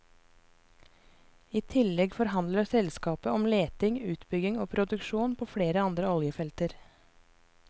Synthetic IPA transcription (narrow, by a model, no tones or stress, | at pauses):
iːt̪ʰɪlɛɡfɔɾhɑnd̪ləsɛlskɑːpəɔmleːt̪ɪŋʉːt̪bʏɡɪŋoːpʰɾʊd̪ʉkʃuːnpʰoːfɽeːɾəɑnd̪ɾəɔljəfɛlt̪əɾ